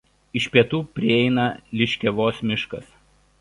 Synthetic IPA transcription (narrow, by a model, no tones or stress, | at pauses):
ɪʃʲpʲiɛt̪uːpʲɾʲɪɛɪnɐlʲɪʃʲkʲɛʋoːsmʲɪʃkɐs